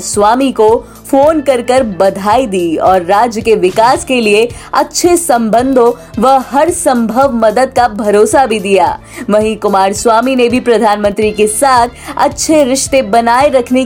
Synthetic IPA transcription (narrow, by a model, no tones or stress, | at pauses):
sʋaːmiko | foːnkɐɾkəɾbɐd̪ʱaːid̪iːɔːɾːaːd͡ʒjəkeʋɪkaːskelieɐtːʃʰesɐ̃mbə̃nd̪ʱõ | ʋɐɦɐɾsɐ̃mbʱəʋmɐd̪əd̪̚kabʱɐɾoːsabʱid̪ija̰ː | ʋɐɦĩkʊmaːɾsʋaːminebʱipɾɐd̪ʱaːnmə̃nt̪ɾikesaːt̪ʰɐ̰tːʃʰeɾɪʃt̪ebɐnaːeɾɐkʰne